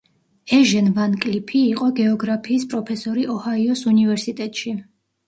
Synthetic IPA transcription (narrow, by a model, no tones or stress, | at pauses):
ɛʒɛnvankʼlipʰiːqʼɔɡɛɔɡɾapʰiːspʼɾɔpʰɛsɔɾiʔɔhaiɔsunivɛɾsit̪ʼɛt̪ʼʃi